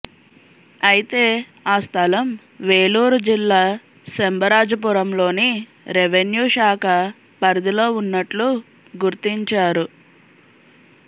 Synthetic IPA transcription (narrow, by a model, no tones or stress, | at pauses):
ɐjit̪e̞ː | aːst̪ʰɐlɐm | ʋe̞ːluːɾud͡ʒilːaː | sembɐɾaːd͡ʒɐp̬uɾɐmlo̞ːni | ɾeʋenjuːʃaːkʰɐ | pɐɾd̪ilo̞ːunːɐʈlu | ɡuɾt̪iɲt͡ʃaːɾu